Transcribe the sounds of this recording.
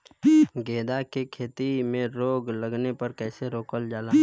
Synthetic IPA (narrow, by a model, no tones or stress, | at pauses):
ɡeːd̪akekʰeːt̪imẽɾoːɡləɡnepɐɾkɛːseɾoːkəld͡ʒaːla